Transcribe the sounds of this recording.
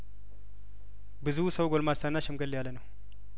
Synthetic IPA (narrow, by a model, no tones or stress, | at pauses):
bɨzusəwɡolmasanːaʃɛmɡəlːjalːənəw